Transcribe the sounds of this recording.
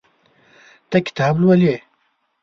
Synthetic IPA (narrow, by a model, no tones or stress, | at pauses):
t̪ɐkʲi̥t̪ʰaːblwɐleː